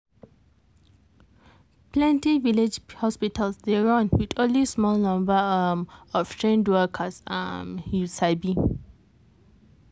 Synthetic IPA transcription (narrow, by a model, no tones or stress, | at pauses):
plɛ̃ntiviled͡ʒhɔspitəlsdɛɹɔ̃nwitɔ̃nlismɔlnãmbəəmɔftʰɹẽndwəkʰəsa̰musaɪbi